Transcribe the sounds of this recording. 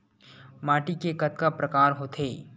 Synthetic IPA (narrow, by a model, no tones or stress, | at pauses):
maːʈikekɐt̪kapɾɐkaːɾɦoːt̪ʰeː